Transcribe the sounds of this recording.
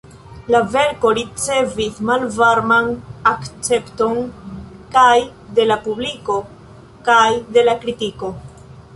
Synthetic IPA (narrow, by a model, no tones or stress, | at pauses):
lave̞ɾko̞ɾit͡se̞vismalvaɾmanakt͡se̞pto̞nkajde̞lapubliko̞ | kajde̞lakɾitiko̞